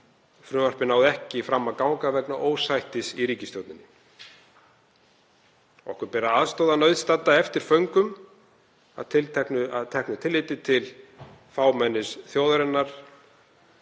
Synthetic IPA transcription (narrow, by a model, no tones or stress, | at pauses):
fɾʏːmar̥pɪnaːwðɛhcɪfɾamːakawŋkavɛknaʔoːwsajht̪ɪsiɾiːcɪst̪owt̪nɪnːɪ | ɔ̰hkʏɾpɛːɾaaðst̪oːwðanœɥðst̪at̪ːaɛft̪ɪɾ̥fœɥŋkʏm | a̰ðt̪ʰɪlt̪ʰɛknʏaðt̪ʰɛhknʏt̪ʰɪlːɪːt̪ɪt̪ʰɪlfaːwmɛnːɪsθjowðaɾɛnːaɾ̥